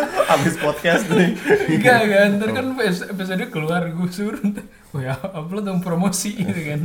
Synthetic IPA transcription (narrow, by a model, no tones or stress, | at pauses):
abɪspɔt̪̚kɛst̪nɪɡakant̪ərkanfesfes̬adakəluarɡusuɾut̪ | ojaːplat̪̬uŋpɾomosit̪ukan